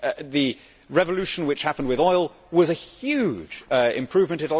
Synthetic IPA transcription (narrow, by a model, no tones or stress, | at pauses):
ðɨ | ɹɛvəlʉʃn̩wɨt͡ʃhapə̃n̩dwɪðɔɪlˠ | wʌzɨhjʉ̥d͡ʒɪ̰̃mpʰɹ̥ʉvmə̃ntɨ̃ɾə